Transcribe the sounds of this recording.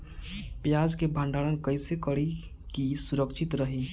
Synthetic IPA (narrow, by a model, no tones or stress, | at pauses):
pjad͡ʒkebʱə̃ɳɖaɽənkəjsekəɽi | kisuɾəkt͡ʃʰit̪ɾəɦi